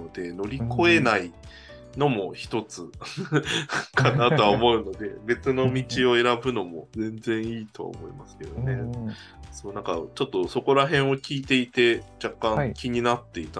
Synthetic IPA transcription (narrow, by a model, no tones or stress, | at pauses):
od̪e̞no̞ɾʲiko̞e̞nai | no̞mo̞çi̥t̪o̞t͡sɨ | kʰanat̪o̞aomo̞ɯ̟no̞d̪e̞be̞t͡sɨno̞mʲit͡ɕio̞e̞ɾabɯ̟no̞mo̞zẽ̞nd͡zẽ̞ɰ̃iːt̪o̞̰a̰o̰mo̞imasɨ̥ke̞d̪one̞ | so̞ːnãŋka̰t͡ɕo̞t̪ːo̞so̞ko̞ɾaɦẽ̞ɰ̃o̞kʲiːt̪e̞it̪e̞d͡ʑakːãkʲiɲ̟inat̪ːe̞it̪a